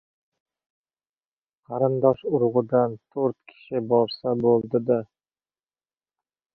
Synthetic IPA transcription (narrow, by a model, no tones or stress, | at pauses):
qʰɑɾɪnd̪ɒʃʊɾʁʊd̪ant̪ʰoɾt̪kʲʰɪ̥ʃɪbɒɾsabolˠd̪ɪd̪a